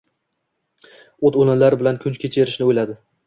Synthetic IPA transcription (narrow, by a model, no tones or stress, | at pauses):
ot̪olɪnlaɾɪbɪlankʲʰʊnt͡ʃkʲʰet͡ʃʰe̞ɾɪʃnɪojlad̪ɪ